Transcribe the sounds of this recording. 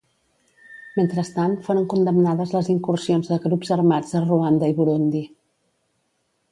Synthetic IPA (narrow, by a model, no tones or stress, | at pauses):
ment̪ɾəst̪anfoɾəŋkund̪əmnaðəzləziŋkursionzðəɣɾupzəɾmad͡zəruand̪əiβuɾund̪i